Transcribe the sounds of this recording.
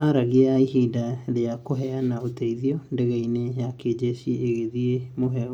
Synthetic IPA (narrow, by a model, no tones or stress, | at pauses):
aɾaɣiaiɦiːdaɾeakoɦɛanaotɛiðiɔndeɣɛinejaked͡ʑesieːɣeðiemoɦɛ